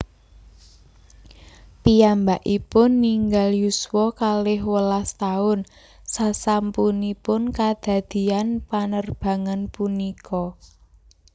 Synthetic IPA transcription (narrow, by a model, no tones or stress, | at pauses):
pijambaʔipʊnːiŋɡaljuswɔkalɪɦwəlast̪aʊn | sasampunipʊnkad̪̥a̤d̪̥i̤anpanərb̥a̤ŋanpunikʰɔ